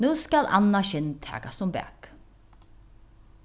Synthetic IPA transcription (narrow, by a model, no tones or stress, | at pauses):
nuːskalʔa̰nːaʃɪnt̪ʰæ̰ːkast̪ʊmbæ̰ːk